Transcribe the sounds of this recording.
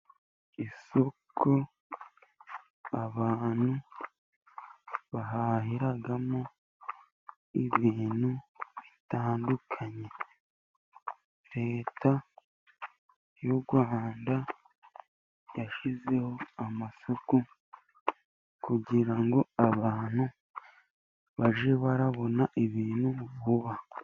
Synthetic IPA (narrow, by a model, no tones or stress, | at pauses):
iso̞kʰo | aβaːn̥hu | βaɦaɦiɾaɡamo | iβiːnhuβitaːndukʰaɲe̞ | ɾe̞ːta | juɡwaːnda | jaʃize̞ho̞amasoku | kuɟiɾaŋɡo̞aβaːn̥hu | βaʒe̞βaɾaβo̞naʔiβiːnuβuβa